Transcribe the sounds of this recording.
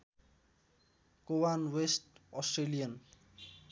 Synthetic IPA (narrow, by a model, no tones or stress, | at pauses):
kowanwesʈʌsʈrelijʌn